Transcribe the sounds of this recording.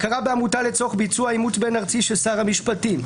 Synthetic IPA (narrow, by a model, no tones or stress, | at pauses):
kaʁabeamutalet͡so̞χbit͡suaimut̪be̞naʁt͡siʃesaʁamiʃpatim